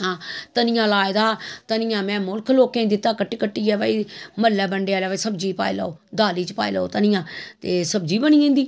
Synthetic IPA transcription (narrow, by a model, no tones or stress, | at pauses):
ãːt̪ənɪjãːlaːɪd̪aːt̪ənɪjãːmɛ̃ːmʊlkʰloːkẽːd̪ɪt̪ːaːkəʈːiːkəʈːiːɡɛːʋaːiːməɾlɛːbəɳɖeaːlɛːaiːsəbd͡ʒiːpa̰ːḭlaoːd̪aːliːt͡ʃpa̰ːḭləo̰ːt̪ənɪjãːt̪eːsəbd͡ʒiːbənĩːẽːnd̪iː